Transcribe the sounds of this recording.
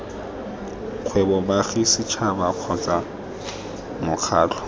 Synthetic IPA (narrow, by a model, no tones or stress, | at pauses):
q͡χʰwɛbɔbaχisɪt͡ʃʰabaq͡χʰɔt͡sa | mʊk͡xʰaːt͡ɬʰɔ̥